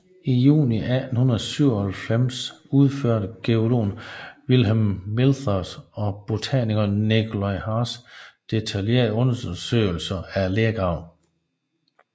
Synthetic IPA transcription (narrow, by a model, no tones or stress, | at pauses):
ijṵːniʔædn̩hunɐðˠsyʊ̰ɐhælfem̰suð̞ˠføɐ̰ɾəɡ̥eo̝lo̝̰ːnʋilɦemːilθɐsɒ̽b̥ot͡sʰɛniɡ̥ɐnekʰolaɪhɑsd̥e̝t͡sʰælje̝̰ɐdˠɔ̽nɐsø̰ːɪl̩sɐæɐleɐɡ̥ʁɑ̈ʊ̰